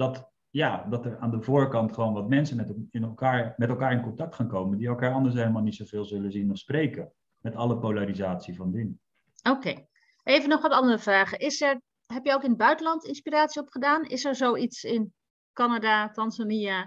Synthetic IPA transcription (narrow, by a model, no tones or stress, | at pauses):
d̥ɑt | jaːdɑtəɹaːndəvoːɹkɑntχəʋownʋɑtmɛnsəɛɪnɛlˠkaːɹmɛtɛlˠkaːɹɪnkɔntɑk̚tχaːnkowməndiɛlˠkaːɹɑndəɹs̬ɦejləmaːlˠnitsowvɪːlˠzɵləzinɔfsprejkə | mɛtɑləpowlaɾizaːtsivɑndin | okej | ʔejvənɔχʋɑtɑndərəvraːχəʔɪsɛɹ | ɦɛpjəowkɪnəd̚bœɥtəlɑntɪnspiraːtsiɔpχədaːnɪsɛɹzowitsɪn | kɑnadatɑnzania